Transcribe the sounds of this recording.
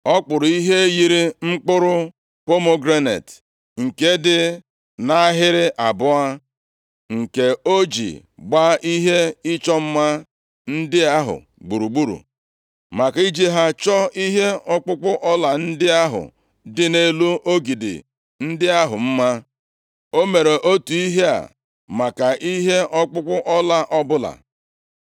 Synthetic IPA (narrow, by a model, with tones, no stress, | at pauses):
ɔ˦k͡pʊ˨ɾʊ˨i˦ɦe˦ji˨ɾi˦ŋ͡m̩˦k͡pʊ˦ɾʊ˦ | po˦mo˦ɡɾe˦nḛ˨t | ŋ̩˨ke˦dɪ˦ | na˦a˦ɦɪ˦ɾɪ˦ʔa˨bʊ˦a˦ | ŋ̩˨ke˨o˦d͡ʒḭ˨ɡ͡ba˦ʔi˦ɦe˦ɪ˦t͡ʃɔ˦m̩˦ma˦ | n̩˦dɪ˦a˦ɦʊ̰˨ | ɡ͡bu˨ɾu˨ɡ͡bu˦ɾṵ˨ | ma˨ka˨i˦d͡ʒi˦ɦa˦t͡ʃɔ˦i˦ɦe˦ɔ˦k͡pʊ˦k͡pʊ˦ʔɔ˦la˨n̩˦dɪ˦a˦ɦʊ̰˨ | dɪ˦ne˦lu˦ʔo˦ɡi˨dɪ̰˨ | n̩˦dɪ˦a˦ɦʊ˨m̩˦ma˦ | o˦me˨ɾe˨ʔo˦tu˨i˦ɦe˦a̰˨ | ma˨ka˨ʔi˦ɦe˦ʔɔ˦k͡pʊ˦k͡pʊ˦ʔɔ˦la˦ʔɔ˦bʊ˦la̰˨